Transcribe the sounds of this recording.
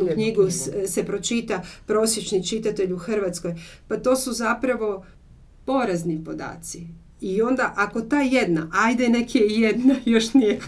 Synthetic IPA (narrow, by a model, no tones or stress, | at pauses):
ukɲiɡuse̞pɾo̞t͡ʃit̪apɾo̞sjet͡ʃnit͡ʃit̪at̪e̞ʎuxr̩ʋat̪sko̞jpat̪o̞ːsuzapɾaʋo̞ | po̞ɾaznipo̞d̪a̰ːt̪si | io̞nd̪aʔako̞t̪aje̞d̪na̰ʔajd̪ene̞kiejed̪najo̞ʃnije